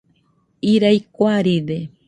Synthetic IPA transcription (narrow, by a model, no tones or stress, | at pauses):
iɾajkʷaɾide